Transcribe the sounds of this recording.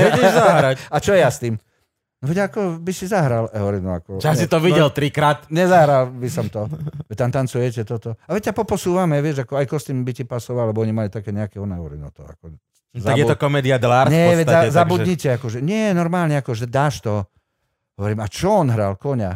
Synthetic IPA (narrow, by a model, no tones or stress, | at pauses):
zaɦɾaat͡ʃɔjɛjast̪iːm | nɔʋɛɟaakɔbisizaɦɾalɛɦɔɾinɔakɔasit̪ɔʋiɟɛlt̪ɾikɾaːt̪ɲɛzaɦɾalbisɔmt̪ɔʋɛc̚t̪amt̪ant͡sujɛcɛt̪ɔt̪ɔaʋɛcapɔpɔsuːʋamɛʋɪɛʒakɔajkɔst̪imbicipasɔʋalɛbɔɔɲimalit̪akɛːɲɛakɛɔnɛɔʋɾḭnɔ̰t̪ɔ̰a̰kɔ | zaabɡjɛt̪ɔkɔmɛːd̪iad̪laɾɲɛʋɛazabud̪ɲicɛakɔʒɛɲɪɛnɔɾmaːlɲɛakɔʒɛd̪aːʃt̪ɔ | ɦɔʋɔɾiːmat͡ʃɔɔnɦɾa̰lkɔɲa̰